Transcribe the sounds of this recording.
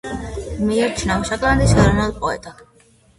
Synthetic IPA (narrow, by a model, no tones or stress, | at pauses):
mijɔɾt͡ʃʰnawʃakʼland̪isɡaɾɔnalpʼɔɛ̰t̪ʼa